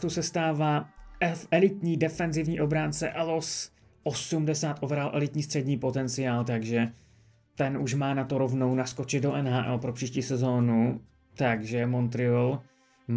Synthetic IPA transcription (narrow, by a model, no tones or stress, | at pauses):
t̪usɛst̪aːvaːɛfɛlɪt̪ɲiːdɛfɛnzɪvɲiːʔo̞bɾaːnt͡sɛʔɛlos | ʔosumdɛsaːt̪ʔovɛɾalʔɛlɪt̪ɲiːst̪r̥ɛdɲiːpo̞t̪ɛnt͡sɪaːlt̪aɡʒɛ | t̪ɛnuʃmaːnat̪oɾo̞vno̞wnasko̞t͡ʃɪd̪doʔɛnɦaːʔɛ̰lpɾopr̝̥iːʃciːsɛzoːnu | t̪aɡʒɛmo̞nt̪ɾɪol | m